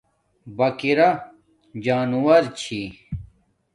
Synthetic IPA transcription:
bɐkiɾɐ | d͡ʑaːnuwɐɾt͡ɕʰi

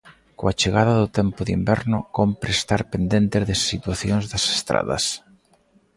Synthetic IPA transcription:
koat͡ʃeɣaðɐðʊt̪ɛmpʊðimbɛɾnʊkompɾest̪aɾpend̪ent̪ezðɪsːit̪waθjoŋzðɐse̥st̪ɾa̰ðɐ̰s

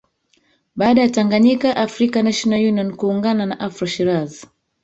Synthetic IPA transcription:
ɓaɗajataŋɡaɲikaʔafɾikanaʃɔnajuniɔnkuːŋɡananaʔafɾaʃiɾazi

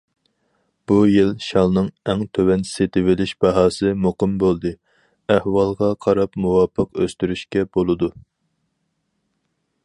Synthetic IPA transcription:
b̥ujilʃɑlˠnɨŋɛŋt̪ʰøwɛnset̪ʰɪwɪlɪʃb̥ɑɦɑːsɨmuqɨmbolˠd̪ɨ | æhwɑlˠʁɑqʰɑɾɑpmuwɑpʰːəqøst̪yɾyʃkʲɛbolˠɨd̪u

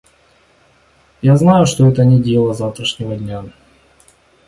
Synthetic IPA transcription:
jaznajʊʂt̪oɛt̪ənʲɪdʲelˠəzaft̪ɾəʂnʲɪvədʲnʲa

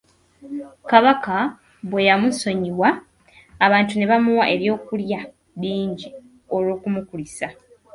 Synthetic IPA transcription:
kaβaka | βwe̞jamuso̞ɲiwaː | βaːntune̞βamuwaʔe̞βjo̞ːkulja | βiːɲɟi | o̞lo̞ːkumukulisa

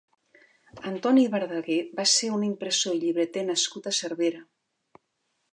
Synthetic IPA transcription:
ənt̪ɔniβəɾðəɣeβaseunimpɾəsoiʎiβɾət̪enəskut̪əsəɾβeɾə

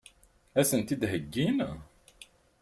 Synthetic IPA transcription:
æsənt̪id̪ɦəɡːin

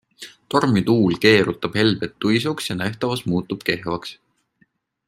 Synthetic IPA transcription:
t̪o̞rmit̪uːlke̞ːɾut̪ːˑɑb̥he̞lbet̪ːujsuksjɑnæht̪ɑvɑsmuːt̪ːˑub̥ke̞hvɑks

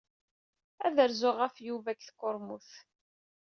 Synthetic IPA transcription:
æðəɾzʊʁafjuvækθkʊɾmuθ

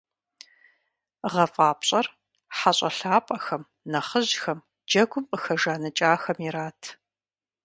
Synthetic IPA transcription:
ʁɐfʼaːpɕʼɐr | ħaɕʼɐɬaːpʼɐxɐm | nɐχəʑxɐm | d͡ʒɐɡʷʊməxɐʒaːnɐt͡ʃʼaːxɐmiɾaːtʰ

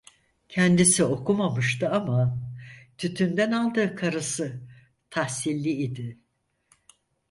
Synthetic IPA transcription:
cʰɛnd̪isio̞kʰumamɯʃt̪ɯama | t̪ʰyt̪ʰynd̪ænalˠd̪ɯːkʰaɾɯsɯ | t̪ʰahsilʲːiːd̪ɪ

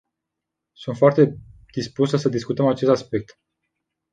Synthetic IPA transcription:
sunt̪foart̪e̞d̪̥ispusəsəd̪iskut̪əmat͡ʃe̞st̪aspe̞k̚t̪

